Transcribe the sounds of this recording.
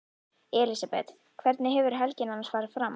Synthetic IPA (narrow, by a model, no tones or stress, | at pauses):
ɛːlisapɛ̰t̪ | kʰvɛɾt̪nɪɦɛvʏɾ̥ɦɛlcɪnanasvaːɾɪ̥fɾam